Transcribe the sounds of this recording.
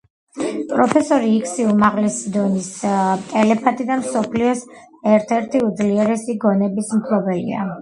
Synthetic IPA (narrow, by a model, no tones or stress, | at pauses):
pʼɾɔpʰɛsɔɾiːkʰsiumaʁlɛsid̪ɔnist̪ʼɛlɛpʰat̪ʼid̪amsɔpʰliɔs | ɛɾt̪ʰɛɾt̪ʰiud̪zliɛɾɛsiɡɔnɛbismkʰlɔbɛlḭa̰